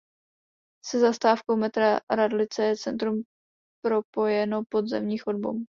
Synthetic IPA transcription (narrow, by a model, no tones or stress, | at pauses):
sɛzast̪aːfkowmɛt̪ɾaɾadlɪt͡sɛjɛt͡sɛnt̪ɾum | pɾo̞po̞jɛnopo̞d̪zɛmɲiːxodbo̰w